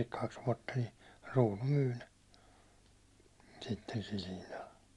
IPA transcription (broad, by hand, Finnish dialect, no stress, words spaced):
kɑks ʋuɒtːɑ ni ruːnu myː ne sitːen sil hinːɑl